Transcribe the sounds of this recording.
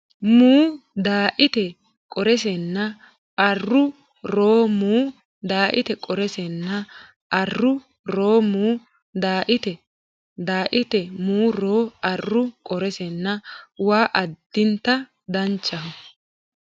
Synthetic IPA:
muːd̪aːʔɪt̪ɛ | kʼɔɾɛsɛnːɐ | ɐrːʊ | ɾoːmuː | d̪aːʔɪt̪ɛkʼɔɾɛsɛnːɐ | ʔɐrːʊ | ɾo̞ːmuː | d̪aːʔɪt̪ɛ | d̪aːʔɪt̪ɛmuːɾoːɐrːʊkʼɔɾɛsɛnːɐwaːʔɐd̪̥ːɪnt̪ːɐ | d̪ɐnt͡ʃːɐɦɔ

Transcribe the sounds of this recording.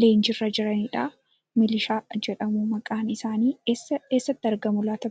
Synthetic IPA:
le̞ːnd͡ʒɪrːɐd͡ʒɪɾɐniːᶑaː | mɪlɪʃaːd͡ʒɛᶑɐmuːmɐkʼaːnɪsaːniːesɐeːsːɐt̪ːɪɐɾɡɐmʊlaːt̪ɐ

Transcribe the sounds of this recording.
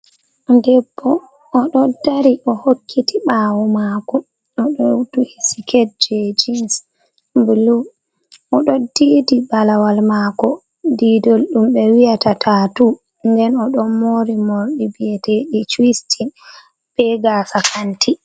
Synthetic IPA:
ndɛbːɔː | ɗɔdaɾiʔɔhokʰːitiɓaːwumakɔ | ɔɗɔtuhisi̥kʰetd͡ʒɛd͡ʒins | bulu | ʔɔɗɔdiːdibalawalmaːkɔ | didolɗumɓɛwijatatʰatu | ndɛnɔɗɔnmoɾimoɾɗibijɛteɗit͡ʃwistʰin | b̥ɛɡaːsakantʰi

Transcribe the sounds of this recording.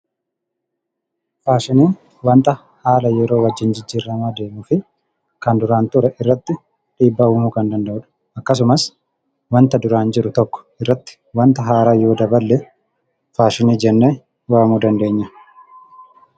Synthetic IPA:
faːʃɪniːn | wɐnt̪ʼɐ | haːlɐjɛɾo̞ːwɐd͡ʒːɪnd͡ʒɪd͡ʒːiːrːɐmaːd̪e̞ːmʊfɪ | kɐnd̪ʊɾaːnt̪ʊɾɛʔɪrːɐt̪ːɪ | ᶑiːbːɐhuːmʊkɐnd̪ɐnd̪ɐʔʊᶑɐ̥ | ɐkːɐs̬ʊmɐs | wɐnt̪ɐd̪ʊɾaːnd͡ʒɪɾʊt̪ɔkːɔ̥ɪrːɐt̪ːɪ̥ | wɐnt̪ɐɦaːɾaːjo̞ːd̪ɐbɐlːɛ | faːʃɪniːd͡ʒɛnːeː | waːmuːd̪ɐnd̪e̞ːɲːɐ

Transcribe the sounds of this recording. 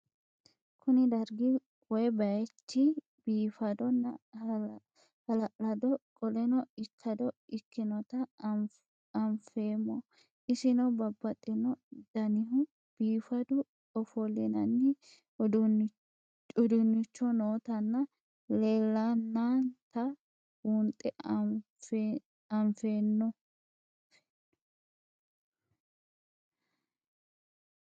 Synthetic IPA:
kʰʊnɪd̪ɐɾɡɪ | wɔjbɐjɛtːɪ | biːfɐd̪ɔnːɐ | hɐlɐʔɐd̪ɔkʼɔlɛnɔɪkʰːɐd̪ɔɪkːɪnɔt̪ɐ | ɐmfeːmːɔ | ʔɪsɪnɐbɐbːɐt̪ʼːɪnɔd̪̥ɐnɪɦʊ | b̥iːfɐd̪ʊ | ɔfɔlɛnɐnːɪ | ɔd̪ʊnːɪt͡ʃːɔnoːt̪ɐnːɐ | leːlːanːaːnt̪ɐ | unt̪ʼɛ | ɐɱfeːnːɔ | f

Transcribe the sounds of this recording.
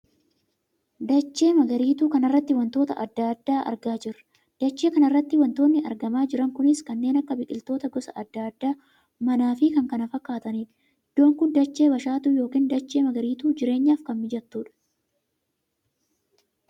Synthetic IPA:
d̪ɐt͡ʃːe̞ːmɐɡɐɾiːt̪uːkɐnɐrːɐt̪ːɪwɐnt̪o̞ːt̪ɐ̰ʔɐd̪ːaːd̪ːaːʔɐ̰ɾɡaːd͡ʒɪrɐ̥ | d̪̥ɐt͡ʃːeːkɐnɐrːɐt̪ːɪwɐnt̪oːnːɪʔɐ̰ɾɡɐmaːd͡ʒɪɾɐŋkʊnɪskɐnːe̞ːnɐkːɐbɪkʼːɪlt̪o̞ːt̪ɐɡɔsɐ̰ʔɐd̪ːaːd̪ːaː | mɐnaːfɪkɐŋkɐnɐfɐkːaːt̪ɐniː | ɪd̪̥ːo̞ːŋkʊnd̪ɐt͡ʃːe̞ːbɐʃaːt̪ujo̞ːkiːnd̪ɐt͡ʃːeːmɐɡɐɾiːt̪uːd͡ʒɪɾe̞ːɲːaːfkɐmmɪd͡ʒɐt̪ːuːᶑɐ̥

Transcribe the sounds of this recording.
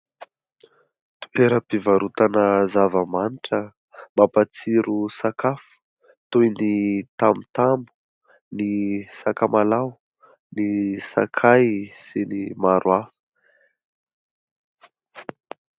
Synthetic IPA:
t̪u̥eɾəpivaɾut̪anəzavəmaniʈ͡ʂə | mapat͡siɾusakafu̥ | t̪ujnit̪amit̪ambu̥ | nisakamalaw | nisa̰kʰajsenimaɾʔwafə̥

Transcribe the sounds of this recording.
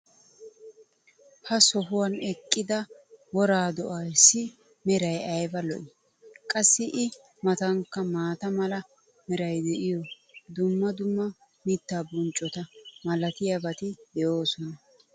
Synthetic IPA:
hɐsɔɦʊwɐnɛkʼːɪd̪ɐwɔɾaːd̪ɔʔɐjsːɪ | mɛɾɐjɐjbɐlɔʔɪ | kʼɐsːɪʔɪ | mɐt̪ɐŋkːɐmaːt̪ɐmɐlɐ | mɛɾɐjd̪ɛʔɪjɔ | d̪ʊmːɐd̪ʊmːɐ | mɪt̪ːaːbʊnt͡ʃʼːɔt̪ɐmɐlɐt̪ɪjɐbɐt̪ɪd̪ɛjoːsɔnɐ

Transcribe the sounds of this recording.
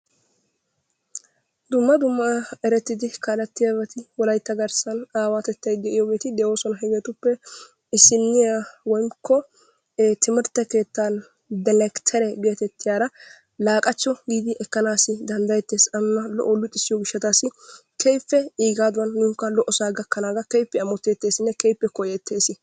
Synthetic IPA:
d̪ʊmːɐd̪ʊmːɐɛɾɛt̪ːɪd̪ɪkaːlɐt̪ːɪjabɐt̪ɪwɔlɐjt̪ːɐɡɐɾsɐnaːwaːt̪ɛt̪ːɐjd̪ɛʔɪjoːɡe̞ːt̪ɪd̪ɛo̞ːsɔnɐɦɛɡeːt̪ʊpːɛ | ɪsːɪnːɪjawɔjmkːɔ | t̪ʰɪmɪɾt̪ːɛke̞ːt̪ːaːn | d̪ɛlɛkt̪ʰɛɾɛɡe̞ːt̪ɛt̪ːɪjaːɾɐ | laːkʼɐt͡ʃːɔɡiːd̪ɪʔɛkːɐnaːsɪd̪ɐnd̪ɐjɛt̪ːe̞ːsɐnnɐlɔ̰ʔolːʊt̪ʼːɪsːɪjɔɡɪʃːɐt̪aːsɪkʰɛjpːɛiːɡaːd̪ʊwɐnːuːŋkːɐlɔʔɔsaːɡɐkːɐnaːɡɐkɛjpːɛɐmɔt̪ːeːt̪ːe̞ːsɪnːɛkɛjpːɛkɔjɛt̪ʰːe̞ːsɪ

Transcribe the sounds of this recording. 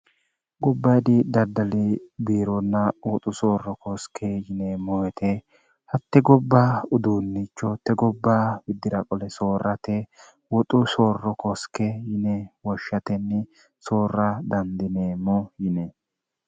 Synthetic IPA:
ɡɔbːɐjd̪ɪd̪ɐd̪ɐlɪbiːɾɔnːɐwɔt̪ʼʊsoːrːɔkʰɔskʰejɪneːmɔwɛt̪ʰe | hɐt̪ːɛɡɔbːaʊd̪uːnːit͡ʃːɔt̪ɛɡɔbːabɪd̪ːɪɾɐkʼɔlɛsoːrːɐt̪ɛ | wɔt̪ʼʊsoːrːɔkɔskɛjɪnɛwɔʃːɐt̪ɛnːɪ | so̞ːrɐd̪ɐnd̪ɪneːmɔjɪnɛ

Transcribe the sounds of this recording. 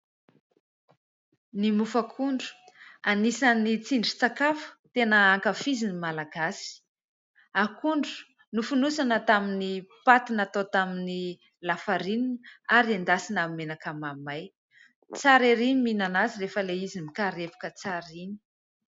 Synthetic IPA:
nimufəkʰuɳɖ͡ʐu̥anisanit͡siɳɖ͡ʐit͡sakafə̥t̪enəaŋkafizinimalaɡasi̥ | akuɳɖ͡ʐu̥ | nufunusanət̪aminipat̪inat̪ot̪amini | lafaɾininaɾiand̪asinamenakamamaj | t͡saɾeɾiniminanaziɾefəleizimikaɾepu̥kət͡saɾini̥

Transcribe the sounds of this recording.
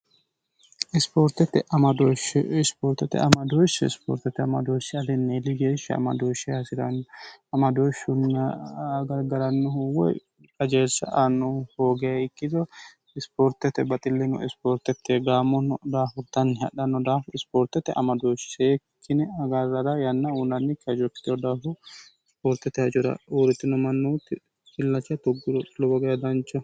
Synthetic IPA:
ɪspoːɾt̪ɛt̪ːɛʔɐmɐd̪oʃɛɪspoːɾt̪ːɛt̪ɛ̰ɐmɐd̪oʃɛɪspo̰ːɾt̪ɛt̪ːɛɐmɐd̪oʃɪɐlɪnːelːɪɡeːʃːɐɐ̰mɐ̰d̪oʃːɛɐsɪɾɐnːɐmɐd̪oʃʊnːɐɡɐɾɡɐɾɐnːʊhʊwɔ̰j | ɐd͡ʒeːsːɐʔɐnːʊhoːɡɛjɐɪkːɪd̪ɔ | ɪspoːɾt̪ɛt̪ɛbɐt̪ʼɪlːɪnʊ̰ʔɪspoːɾt̪ɛt̪ːɛɡaːmɔnːd̪aːfʊɾt̪ːɐnːɪhɐ̰ɗɐnːɔd̪aːfʊɪspoːɾt̪ɛt̪ːɛʔɐmɐd̪oʃseːkːɪnɪɐɡɐɾːɐɾɐjɐnːɐunɐnːɪkːɪɐd͡ʒɔkːɪ̥t̪ɔd̪aːfʊɪspoːɾt̪ɛt̪ːɛhɐd͡ʒʊɾɐ̰uːɾɪt̪ːɪnɔmɐnːut̪ːɪ | kɪlːɐt͡ʃːɐt̪ɔɡlɔbɐɡɐjɐd̪ɐnt͡ʃːɔ

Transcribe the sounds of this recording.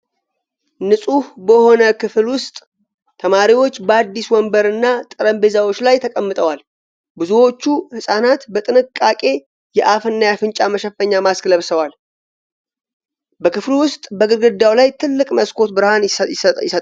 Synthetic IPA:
nɨsʼuhbəho̞nəkɨflwʊst̪ʼ | t̪ʰəmaɾiwo̞t͡ʃːbəad̪ːiswɔmbəɾɨnːat̪ʼɨɾəmbezawo̞t͡ʃːlajt̪ʰəkʼəmːɨt̪ʼəwal | bɨzuwo̞t͡ʃːuhɨsʼanat̪bət̪ʼɨnɨkʼːakʼe̞ | jɛʔafɨnːajafɨnt͡ʃʼaməʃɛfəɲːamaskləβsəwal | bəkɨflwʊst̪ʼbəɡɨɾɡɨd̪ːawlajt̪ʰɨlːɨkʼməskʰo̞t̪bɨɾhanɪsət̪ʼ

